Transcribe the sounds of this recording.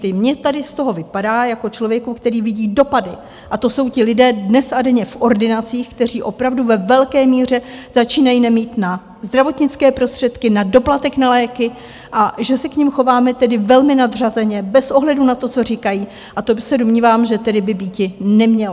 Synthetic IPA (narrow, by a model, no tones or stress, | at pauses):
ɪmɲɛt̪adɪst̪o̞ɦo̞vɪpadaːjako̞t͡ʃlo̞vjɛkukt̪ɛɾiːvɪɟiːdo̞padɪ | ʔat̪o̞so̞wcɪlɪdɛːdnɛsadɛɲɛfʔo̞ɾdɪnat͡siːxk̚t̪ɛr̝iːʔo̞pɾavduvɛvɛlkɛːmiːr̝ɛz̥at͡ʃiːnajinɛmiːt̪na | zd̪ɾavo̞t̪ɲɪt͡skɛːpɾo̞st̪r̥ɛt̪kɪnado̞plat̪ɛknalɛːkɪ | ʔaʒɛsɛkɲɪmxo̞vaːmɛt̪ɛdɪvɛlmɪnad̪r̝azɛɲɛbɛsʔo̞ɦlɛdunat̪o̞t͡so̞rɪkajiː | ʔat̪obɪsɛdomɲiːvaːmʒɛt̪ɛdɪbɪbiːcɪnɛmɲɛl